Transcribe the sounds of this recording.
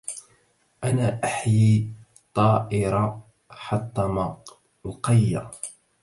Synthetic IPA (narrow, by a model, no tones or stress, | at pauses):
ʔanaːʔaħji | t̪ˤːɑːʔɪɾˤɑ | ħɑt̪ˤːɑmɑ | lqɑjːa